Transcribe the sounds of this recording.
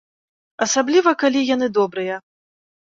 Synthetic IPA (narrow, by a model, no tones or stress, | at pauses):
ɐsablʲivɐkalʲijan̪ɨd̪ɔbɾɨjɐ